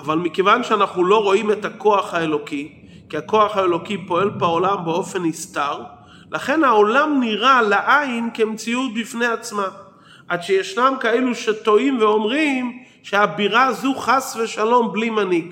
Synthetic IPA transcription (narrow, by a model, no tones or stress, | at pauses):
avalmikevanʃeanaχnuloʁo̞imetako̞aχhaelo̞ki | kiako̞aχaelo̞kipo̞e̞lbaolambeo̞fe̞nist̪aʁ | laχe̞nhao̞lamniʁalaʔainkemt͡siut̪̚bifne̞at͡sma | ʔadʃejeʃnamkaeluʃet̪o̞imveo̞mʁim | ʃeabiʁazuχasveʃalo̞mblimaniɡ